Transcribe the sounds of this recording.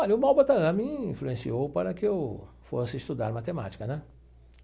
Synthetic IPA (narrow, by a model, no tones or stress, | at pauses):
ɔʎɐʊmawbɐt̪ɐɐ̃mĩĩfluẽsiowpaɾɐkɪew | fo̰sɪist̪ud̪a̰ɾmat̪ema̰t͡ʃi̥kɐnɛ̃